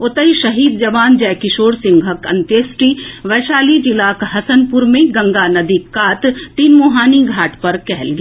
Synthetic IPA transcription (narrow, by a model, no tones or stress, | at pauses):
ʊt̪əiʃɐɦiːd̪d͡ʒɐʋaːnd͡ʒɛːkɪʃoːɾsɪ̃ŋɡʱɦəkɐ̰̃nt̪eːsʈiʋɛːʃaːlid͡ʒɪlaːkɦɐsənpʊɾmẽɡɐ̃ŋɡanɐd̪iːkaːt̪t̪ːiːnmoːɦaːniɡʱaːʈpɐɾkɛɦɛlɡi